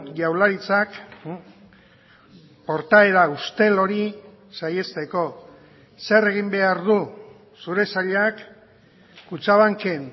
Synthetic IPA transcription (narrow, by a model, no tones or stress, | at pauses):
jawlaɾit͡sak | po̞ɾt̪aeɾaust̪e̞lo̞ɾi | saje̞st̪e̞ko̞ | se̞re̞ɣ̞imbe̞aɾðu | suɾe̞saʎak | kut͡saβaŋke̞n